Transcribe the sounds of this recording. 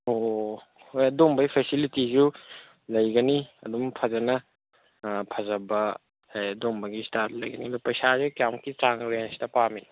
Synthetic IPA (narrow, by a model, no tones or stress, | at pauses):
o | hojɐdombɐjpʰesilitizu | lɐjɡɐniɐdumpʰɐzɐnɐ | pʰɐzɐbɐ | ajɐdombɐɡistaɾtlɐjɡɐniɐdupɐjsazukjamkit͡ʃaŋɾensi̥tɐpami